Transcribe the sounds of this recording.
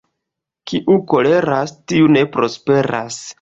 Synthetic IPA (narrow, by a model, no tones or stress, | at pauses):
kiʔuko̞le̞ɾastiune̞pɾo̞spe̞ɾa̰s